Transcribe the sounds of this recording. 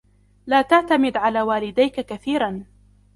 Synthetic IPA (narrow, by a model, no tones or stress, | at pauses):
laːt̪aʕt̪amɪd̪ʕalaːwaːlɪd̪ajkakaθiːɾan